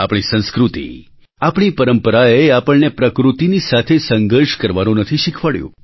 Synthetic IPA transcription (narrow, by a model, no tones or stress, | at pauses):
a̰pɳ̃isə̃nskɾut̪ḭ | apɳ̃ipəɾəmpəɾaeapəɭnepɾəkɾut̪inisat̪ʰesəŋɡəɾʃkəɾʋanũnət̪ʰiʃikʰʋaɭjṵ̃